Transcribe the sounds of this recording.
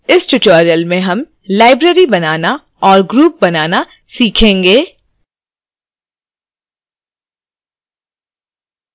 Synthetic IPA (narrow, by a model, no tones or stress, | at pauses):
ɪsʈʊʈɔːɾijəlmẽɦɐm | laːɪbɾeɾibɐnaːna | ɔːɾɡɾuːp̚bɐnaːna | siːkʰẽːŋɡeː